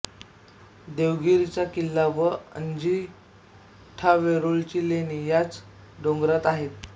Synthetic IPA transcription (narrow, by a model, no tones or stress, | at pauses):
d̪eʋɡiɾit͡ɕakilːaʋəə̰ɲd͡ʑi | ʈʰaʋeɾoɭt͡ɕilenijat͡s | ɖoŋɡɾat̪aɦet̪